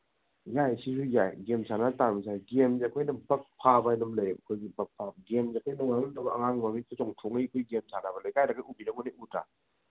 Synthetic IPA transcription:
jajsisujajɡemsanataɾmisʰajɡemzakʰɔjnɐbɐk̚pʰabajnɐmlɐɾmɐkʰojɡibɐk̚pʰabɡemzakʰɔjnɔŋaŋnundɐbɐɐŋaŋmamit̚tɐt͡ʃɔŋtʰoŋijkʰojɡemsʰanabɐlajkajɾakajubinɐŋɔneʔutɾa̰

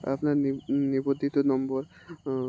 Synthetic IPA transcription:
a̰pnaɾnibod̪ʱːit̪onɔmboɾ

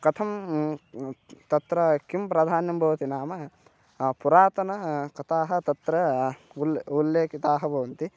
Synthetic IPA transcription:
kɐt̪ʰɐm | t̪ɐt̪ɾɐkimpɾɐd̪ʱaːnjɐmbʱɐʋɐt̪inaːmɐ | puɾaːt̪ɐnɐkɐt̪aːɦɐ̆t̪ɐt̪ɾɐululːeːkit̪aːɦɐbʱɐʋɐnt̪i

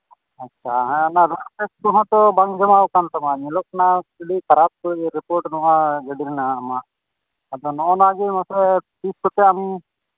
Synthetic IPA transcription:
at͡ʃʰaɦãnaɾapɛst̪ɔɦãt̪ɔbaŋd͡ʒamawkant̪amaɲilɔk̚nailikaɾat̪̚kɔɾipɔɾʈnɔwaɡəɖiɾinaːmaʔː | d̪ɔnɔʔɔ̃naɡɛmãsɾɛp̪iskɔt̪ɛami

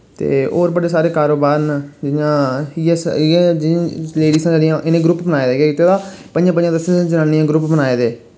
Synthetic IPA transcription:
t̪ḛːoːɾbəɽeːsaːɾeːkaːɾoːbaːɾnd͡ʒɪjãːijãːsãd͡ʒɪleːɖiːsãːd͡ʒəɾijãːʔɪnẽːɡɾʊpbənaːeːd̪eːɡeakiːt̪ːeːd̪aːpənd͡ʒãːpəɲd͡ʒãːd̪əsẽːsãːd͡ʒənãːniːãːɡɾʊpbənaːeːd̪eː

